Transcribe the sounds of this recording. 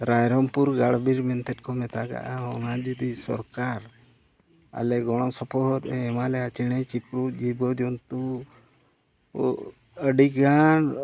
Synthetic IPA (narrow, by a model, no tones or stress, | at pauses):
ɾajɾɔmpuɾɡaɽbiɾmɛnt̪ʰɛt̚kɔmɛt̪aɡa̰ʔaɦɔŋad͡ʒud̪isɔ̰ɾkaɾ | a̰lɛɡɔɽ̃ɔsɔpʰɔɦɔɾɛːmalɛat͡ʃiɽ̃ɛt͡ʃipɾud͡ʒibɔd̪ɔnt̪u | əɖikaɳ